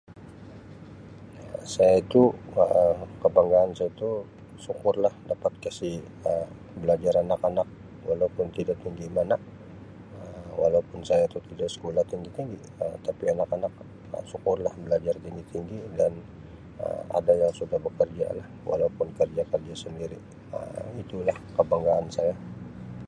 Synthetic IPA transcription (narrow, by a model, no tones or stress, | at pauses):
asajait̪uəkəbaŋɡaːnsajit̪u | sukʊrlahdapat̪̚kasih | ə | bəlad͡ʒaɾanakanak̚ | wa̰laupʊnt̪idaʔt̪iŋɡimana | əwalaupʊnsajat̪ut̪idaʔsə̥kolaht̪iŋɡit̪iŋɡi | ət̪apianakanak̚ | ə̰sukʊrlahbəlad͡ʒart̪iŋɡit̪iŋɡidan | ə̰a̰dajaŋsudahbəkərd͡ʒa̰lahwa̰laupʊnkərd͡ʒakərd͡ʒasəndiɾḭ | ə̰it̪ulahkəbaŋɡaːnsaja